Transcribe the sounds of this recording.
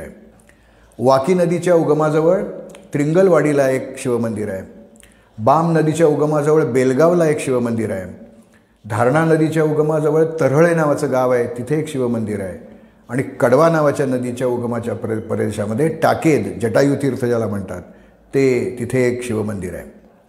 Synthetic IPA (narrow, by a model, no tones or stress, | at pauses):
ḛ | ʋakiːnəd̪it͡ɕjauɡmad͡zəʋəɭt̪ɾiŋɡəlʋaɽilaekɕiʋəmənd̪iɾaɦe | bamnəd̪it͡ɕjauɡmad͡zəʋəɭbelɡaʋlaekɕiʋəmənd̪iɾaɦe | d̪ʱaɾɳanəd̪it͡ɕjauɡmad͡zəʋəɭt̪əɾəɭenaʋat͡səːɡaʋaɦet̪it̪ʰeːkɕiʋəmənd̪iɾa̰ɦe | aɽ̃ikəɽʋanaʋat͡ɕjanəd̪it͡ɕjauɡmat͡ɕjappəɾed̪ɕaməd̪ʱːjeʈaked̪d͡ʑəʈajut̪ʰiːɾt̪ʰəd͡ʑalam̤əɳt̪a̰t̪ː | et̪it̪ʰeːkɕiʋəmənd̪ḭɾa̰ɦḛ